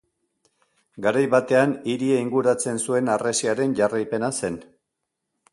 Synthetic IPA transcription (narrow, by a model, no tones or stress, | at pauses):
ɡaɾajβat̪e̞aniɾieiŋɡuɾat͡se̞nsue̞naresiaɾe̞nʝarajpe̞nase̞n